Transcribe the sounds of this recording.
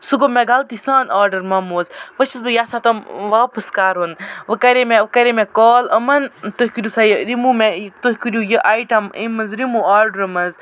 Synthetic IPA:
suɡomeɡalt̪isãːnaːɾɖɐɾmɐmuːzʋət͡ʃizbɨjaːsat̪ɐmʋaːpɨskaːɾunʋɨkɐɾemekɐɾemẽkoːlɐmɐnt̪ohʲkiɾʲusajɾimumet̪ohʲkiɾʲujəʔaːjʈɐmimɐnzɾimuaːɾɖəɾɐmɐnz

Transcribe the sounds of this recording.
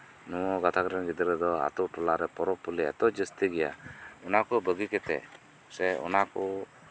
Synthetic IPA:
nɔwɔɡat̪ʰakɾɛnɡid̪ɾɛd̪ɔa̰t̪ɔʈɔlaɾɛpɔɾɔpulia̰t̪ɔd͡ʒəst̪iɡɛja̰ɔnakɔbəɡikɛt̪ɛ̰ | sɛɔ̰nakɔ

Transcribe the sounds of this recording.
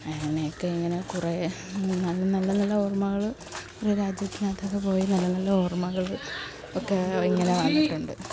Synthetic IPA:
ɐŋːɐnejokːe̞iŋːɐne̞kure | nɐlːɐnɐlːɐnɐlːɐormɐɣɐɭ | oɾuɾaːd͡ʑjɐt̪ːinaːt̪ːokːepo̞ːjinɐlːɐnɐlːɐormɐɣɐɭ | okːeiŋːɐne̞ʋɐːɳdiʈːuɳɖɨ

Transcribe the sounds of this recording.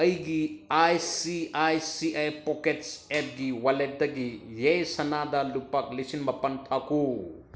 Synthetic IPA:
ɐjɡiajsiajsiajpɔketsep̚ɡiwalet̚dɐɡijejsɐnadɐlupɐk̚lisinmɐpɐntʰaku

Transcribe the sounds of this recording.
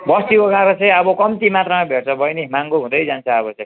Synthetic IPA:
bʌst̪ioɡaɾʌt͡sʌ̃ĩʌbʌkʌmt̪imat̪rʌmabʱeʈt͡sʌbʱʌjnemaŋɡoɦũd̪ʌjd͡zant͡sʰʌʌbʌt͡sʌĩ

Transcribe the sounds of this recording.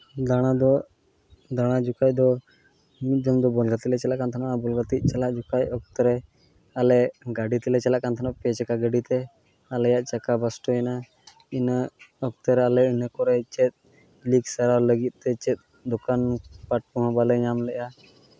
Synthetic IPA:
d̪aɽ̃ad̪ɔ | d̪aɽ̃ad͡ʒukac̚d̪ɔ | mit̪̚d͡ʒɔmd̪ɔbɔlɡat̪ilɛt͡ʃɛlaʔkant̪ʰanaʔabɔlɡat̪iʔ̪̚ˀt͡ʃalaʔd͡ʒukajɔk̚t̪əɾɛ | alɛɡaɖit̪ɛlɛt͡ʃɛlaʔkant̪ʰanaʔpɛt͡ʃɛkaɡəɖit̪ɛ | alɛjaʔt͡ʃakabasʈɔɛna | inaɔk̚t̪əɾɛalɛinəkɔɾɛt͡ʃɛt̪̚ | liksaɾawləɡit̪̚ˀt̪ɛt͡ʃɛt̪̚ | d̪ɔkanpaʈ̚pɔɦãbalɛɲamlɛʔa

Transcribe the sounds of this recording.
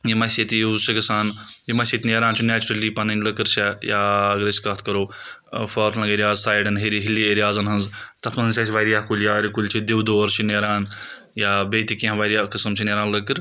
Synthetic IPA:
jimɐset̪iuzt͡ʃʰikɨsaːnjimɐset̪ʲneːɾaːnt͡ʃʰineːt͡ʃuɾɐlipɐnɐnʲləkɨɾt͡ʃajaɡɾɐsi̥kɐt̪ʰkɐɾoː | faːɾslɐ̃ŋɡeɾjaːzsaːjɖɐnɦeɾiɦilieɾjaːzɐnɦɐnzt̪ɐt̪ʰmɐnɦɐnsʲɐsʰʲiʋaːɾijakulʲjaɾikulʲt͡ʃʰid̪iwd̪oːɾt͡ʃʰineːɾaːn | jabeːt̪ikĩɦɐ̃ʋaːɾijakɨsɐmt͡ʃʰineːɾaːnləkɨɾ

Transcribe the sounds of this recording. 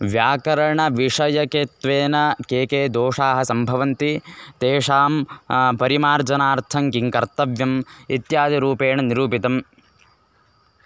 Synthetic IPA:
ʋjaːkɐɾɐɳɐʋiʂɐjɐket̪ʋeːnɐkeːkeːd̪oːʂaːɦɐ̆sɐmbʱɐʋɐnt̪it̪eːʂaːmpɐɾimaːɾd͡ʒɐnaːɾt̪ʰɐŋkiŋkɐɾt̪ɐʋjɐmit̪jaːd̪iɾuːpeːɳɐniɾuːpit̪ɐm

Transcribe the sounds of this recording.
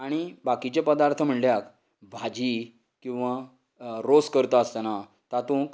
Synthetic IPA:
aɽ̃ibakit͡ɕjapəd̪aɾt̪ʰəm̤əɳljak | bʱad͡ʑi | kĩw̃ʋa | ɾoskəɾt̪aəst̪ana | t̪at̪ũk

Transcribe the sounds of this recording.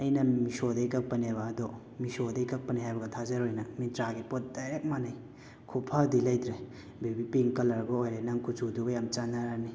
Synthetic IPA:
ɐjnɐmisodɐikɐk̚pɐnebaːdɔ | misodɐikɐk̚pɐniɦajbɐɡɐtʰazɐɾojnɐmitɾaɡipɔt̚daɾek̚manaj | kʰupʰadilajdɾe | bibipiŋkɐlɐɾɡoojɾenaŋkut͡ʃudubajamt͡ʃanːaɾani

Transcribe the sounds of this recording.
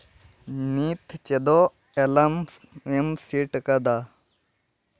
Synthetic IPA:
nit̪ʰt͡ʃed̪o | elɐmemsiʈkɐd̪a

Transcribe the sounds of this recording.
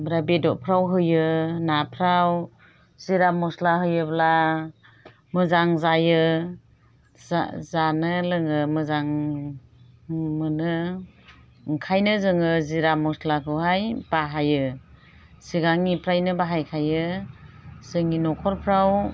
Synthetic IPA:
bɾabedɔʔpʰɾawɦɯjɯnapʰɾaw | z̥iɾamɔslaɦɯjɯbla | mɯzaŋzajɯ | zanɯlɯŋɯmɯzaŋ | mɯnɯ | ŋkʰajnɯzɯŋɯziɾamɔslakʰɯwɦajb̥aɦajɯ | siɡaŋipʰɾajnɯbaɦajkʰajɯ | sɯŋinɔkʰɔɾpʰɾaw

